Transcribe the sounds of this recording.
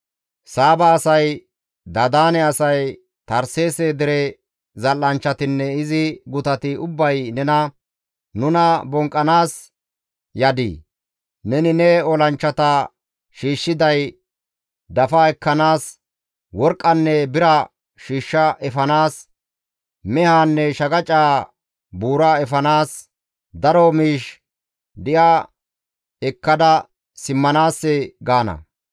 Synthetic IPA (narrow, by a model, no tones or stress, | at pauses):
saːbɐːsɐj | d̪ɐd̪aːnɛɐsɐj | t̪ɐɾseːseːd̪ɪɾɛ | zɐlːɐnt͡ʃːɐt̪ɪnːɛɪzɪɡʊt̪ɐt̪ɪʊbːɐjnɛnɐ | nʊnɐbɔŋkʼːɐnaːs | jɐd̪ḭː | nɛnɪnɛɔlɐnt͡ʃːɐt̪ɐ | ʃiːʃːɪd̪ɐj | d̪ɐfaːɛkːɐnaːs | wɔɾkʼːɐnːɛbɪɾɐ | ʃiːʃːɐʔɛfɐnaːs | mɛhaːnːɛʃɐɡɐt͡ʃʼaː | buːɾaːɛfɐnaːs | d̪ɐɾomiːʃ | d̪ɪʔa | ɛkːɐd̪ɐ | sɪmːɐnaːsːɛɡaːnɐ̰